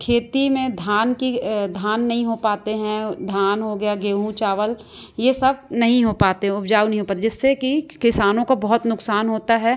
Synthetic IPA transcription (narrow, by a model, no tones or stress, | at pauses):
kʰeːt̪imẽd̪ʱjaːnkid̪ʱjaːnːɐɦĩɦopaːt̪eɦɛ̃d̪ʱjaːnɦoɡɐjaɡeːɦũt͡ʃaːʋəl | jesɐb̚nɐɦĩɦopaːt̪eɦɛ̃ʊpd͡ʒaːwnəɐɦĩɦoːpaːt̪ɛd͡ʒɪsːekikɪsaːnõkabɐɦʊt̪nʊksaːnɦoːt̪aɦɛ